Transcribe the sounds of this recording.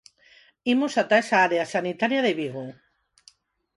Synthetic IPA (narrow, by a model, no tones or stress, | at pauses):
imosat̪aesaaɾeasanit̪aɾjaðeβiɣu